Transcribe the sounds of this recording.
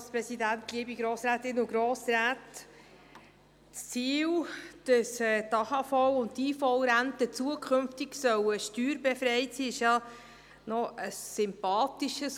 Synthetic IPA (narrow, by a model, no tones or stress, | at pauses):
spɾɛsidænt̪liəbiɡɾoːsɾæːtɪnʊɡɾoːsɾæːt | t͡st͡siːld̥əsɛːtɑhɑfɔwʊnttiːfɔwɾæntət͡suəkʰχʏmftɪɡsœwəʃtyːɾbefɾɛjtsiːɪʃjɑ | nɔʔəsːʏmpɑːtiʃəs